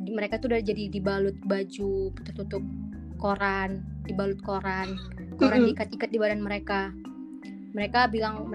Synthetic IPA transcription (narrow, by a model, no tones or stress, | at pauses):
dməɾekait̪udad͡ʒadidibalʊt̪̚bad͡ʒut̪ərt̪ut̪ʊp̚ | koɾandibalʊt̪̚koɾan | koɾanikat̪ikat̪̚dibadanməɾeka | məɾekabilaŋmə